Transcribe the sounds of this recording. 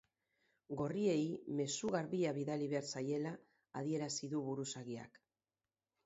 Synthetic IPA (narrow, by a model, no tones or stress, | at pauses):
ɡo̞rie̞jme̞suɣaɾβiaβiðaliβe̞aɾsaje̞laː | ðie̞ɾasiðuβuɾusaɣia̰k